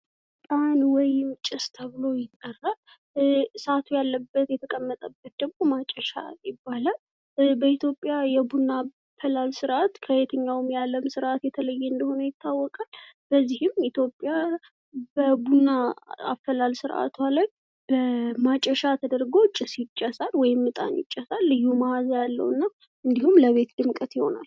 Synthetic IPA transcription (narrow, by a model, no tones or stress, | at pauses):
t̪ʼanwɔjɪmt͡ʃʼɪst̪ʰəβɨlo̞jɪt̪ʼːərːa | sat̪ʰujalːəbːət̪jɛt̪ʰəkʼəmːət̪ʼəbːət̪̚d̪əɡmo̞mat͡ʃʼːɛʃa̰jɪbːala | bəit̪jo̞pʼjajɛbunːa | fəlalsɨɾʔat̪kʰəet̪ʰəɲːawɨmjalːəmsɨɾʔat̪jɛt̪ʰələjːɛɨnd̪əho̞nəjɪt̪ʰːawːɔkʼalb̥əzːihɪmit̪ʰjo̞pʼja | bəbunːaa̰fəlalsɨɾʔa̰t̪ʰaləɲ | b̥əmat͡ʃʼːəʃat̪ʰəd̪əɾɡo̞t͡ʃʼːɪsjɪt͡ʃʼːɛsalwɔjɪmːɨt̪ʼa̰njɪ̰t͡ʃʼːəsalːɨjːumahazjalːə̰wɨnːa | ɨnd̪ihumləβe̞t̪d̪ɨmkʼət̪jɪho̞̰na̰l